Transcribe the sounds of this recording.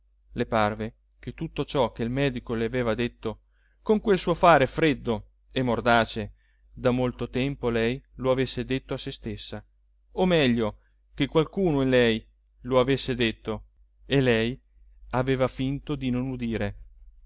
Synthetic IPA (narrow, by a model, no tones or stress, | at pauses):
leparve | k̟et̪ːut̪ːot͡ʃɔk̟eilmɛːd̪ikoleaveːvad̪et̪ːo | koŋkwelsuːofaːɾefɾed̪ːo | emːord̪aːt͡ʃe | d̪amolt̪ot̪ɛmpolɛjloavesːed̪et̪ːoasest̪esːa | omɛʎːo | k̟ekːwalkuːnoinlɛj | loavesːed̪et̪ːo | elɛj | aveːvafint̪od̪inonud̪iːɾe